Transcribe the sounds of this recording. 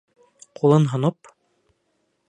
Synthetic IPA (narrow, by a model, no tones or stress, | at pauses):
qulˠɤnɦŏnop